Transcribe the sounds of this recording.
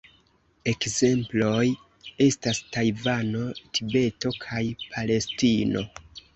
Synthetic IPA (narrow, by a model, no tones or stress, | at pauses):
e̞kze̞mplo̞j | e̞stastajvano̞tʰibe̞to̞kʰajpʰale̞stino̞